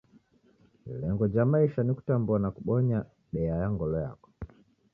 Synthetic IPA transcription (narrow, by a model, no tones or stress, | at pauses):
lɛŋɡɔd͡ʒamaiʃaniku̥tambɔnakuɓɔɲa | ɗɛajaŋɡɔlɔja̰kɔ̥